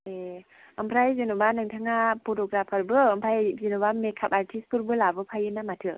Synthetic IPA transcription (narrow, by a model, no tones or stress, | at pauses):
e | ampʰɾajzinubanɯŋtʰaŋapʰotɔɡɾapʰaɾbɯːmpʰajzinubamekʰap̚aɾtʰispʰuɾbɯlabɯpʰajɯnamatʰɯ